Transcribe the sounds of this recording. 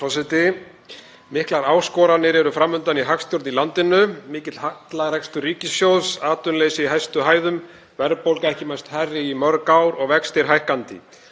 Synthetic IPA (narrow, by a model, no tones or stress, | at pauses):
sɔsajt̪ɪ | mɪhklaɾaːwskɔːɾanɪɾɛɾʏfɾamːʏnt̪aniɦakst̪jɔwɾt̪nilant̪ɪnʏmɪːcɪt̪l̥hat̪laɣrɛkst̪ʏɾiːcɪsjowðsaːt̪ʏnlejsɪiɦajst̪ʏɦaːjðʏm | vɛɾpowlkaɛhcɪmajst̪harːɪimœɾkawɾɔɣvɛkst̪ɪɾ̥ɦajhkant̪ɪ̰